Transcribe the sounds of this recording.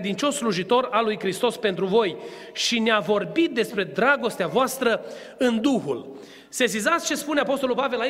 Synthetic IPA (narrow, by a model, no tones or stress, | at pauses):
d̪int͡ʃo̞sːluʒit̪o̞ɾalujkɾist̪o̞spe̞nt̪ɾuvo̞j | ʃineavo̞rbit̪̚d̪e̞spɾe̞d̪ɾaɡo̞st̪eavoast̪ɾə | ɨnd̪uxul | sesizat̪sʲt͡ʃe̞spune̞apo̞s̬t̪o̞lulpave̞lai